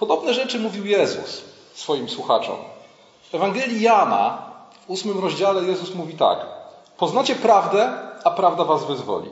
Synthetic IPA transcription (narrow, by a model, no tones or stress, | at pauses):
pɔd̪ɔbnɛʐɛt͡ʂɘmuvʲiwjɛzṵsː | fɔjimswuxat͡ʂɔ̰m | ɛvaŋɡɛlʲjijana̰vusmɘmɾɔʑd͡ʑalɛjɛzusmuvʲit̪a̰k | pɔznat͡ɕɛpɾavd̪ɛapɾavd̪avazvɘzvɔ̰lʲḭ